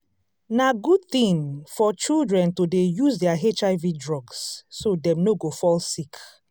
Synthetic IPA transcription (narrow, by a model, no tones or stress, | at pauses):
naɡud̚θĩnfɔt͡ʃildɹɛ̃ntudejuzdɛaɦet͡ʃaɪvidɹɔɡsːodɛ̃mnoɡofɔlsik